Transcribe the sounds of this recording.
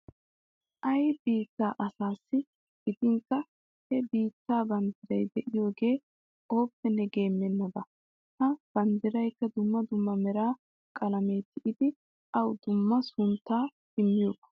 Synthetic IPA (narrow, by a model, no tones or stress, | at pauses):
ʔɐjbiːt̪ːaːʔɐsaːsːɪ | ɡ̥ɪd̪ɪŋkːɐ | hɛbiːt̪ːaːbɐnd̪ɪɾɐjd̪ɛʔɪjo̞ːɡe̞ː | o̞ːpːɛnːɛɡe̞ːmːɛnːɐd̪ɐ | hɐb̥ɐnd̪ɪɾɐjkːɐd̪ʊmːɐd̪ʊmːɐmɛɾaː | kʼɐlɐme̞ːt̪ːɪʔɪd̪ɪ | ʔɐwd̪ʊmːɐsʊnt̪ːaː | ɪmːɪjoːbɐ̥